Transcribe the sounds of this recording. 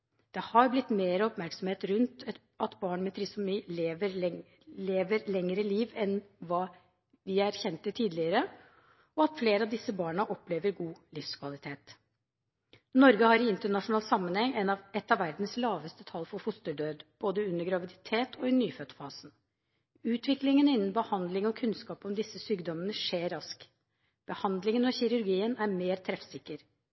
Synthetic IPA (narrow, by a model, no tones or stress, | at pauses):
d̪̥ɛhɑɾblɪt̪ːmeːɾəɔpmæɾksɔm̩heːt̪ɾʉnt̪ɛt̪ | ɑt̪bɑːɳmɛt̪ʰɾɪsʊmiːleːʋəɾ | leːʋəɾlɛŋəɾəliːʋɛnʋɑː | ʋɪæɾçɛnt̪ət̪ʰiːd̪lɪəɾə | ɔɑt̪fleːɾəɑʋd̪ɪsəbɑːɳəʔɔpleːʋəɾɡuːlɪfskʰʋɑlɪt̪ʰeːt̪ | nɔɾɡəhɑɾɪɪnt̪əɳɑʂʊnɑːlsɑmːənhɛŋɛnɑʋɛt̪ːɑʋæɾd̪n̩slɑːʋəst̪ət̪ʰɑlːfɔɾfʊst̪əɖøːd̪b̥oːd̪əʉnːəɡɾɑʋɪd̪ɪt̪ʰeːt̪ʰɔɪnyːføt̪fɑːsn | ʉːt̪ʰʋɪklɪŋənɪnːənbəhɑnd̪lɪŋɔkʰʉnskɑːpɔmd̪ɪsːəsyːɡd̪ɔmənəʂeːɾɑsk | b̥əhɑnd̪lɪŋənɔçɪɾʉɾɡiːənæɾmeːɾt̪ʰɾɛfsɪkːəɾ